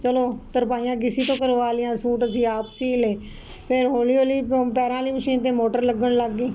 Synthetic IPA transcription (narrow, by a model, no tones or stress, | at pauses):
t͡ʃəloːt̪əɾpaːijãːkɪsiːt̪õːkəɾʋaːlɪjãːsuːʈəs̬ĩːaːpsiːleː | pʰɪɾɦoːliːoːliːpɛːɾãːliːməʃĩːnt̪̬ẽːmoːʈəɾləɡːəɳləɡːiː